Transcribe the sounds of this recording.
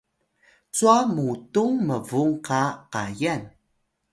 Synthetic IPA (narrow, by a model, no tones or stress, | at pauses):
t͡suamutuŋməvuŋkaqa̰jan